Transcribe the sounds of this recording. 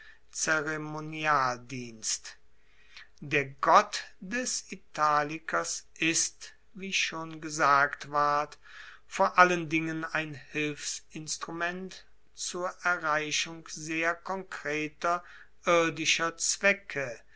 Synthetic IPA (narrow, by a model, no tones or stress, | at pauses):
t͡seʁemonjaːldiːnst | deːɐɡɔtdɛsitʰaːlɪkɐsʔɪst | viːʃoːnɡəzaːktv̥aɐt | foːɐʔaləndɪŋənaɪnhɪlfsɪnstʁumɛnt | t͡suːɐʔɛɐʁaɪʃʊŋkzeːɐkʰɔŋkʁ̥eːtɐ | ʔɪɐdɪʃɐt͡sv̥ɛkʰə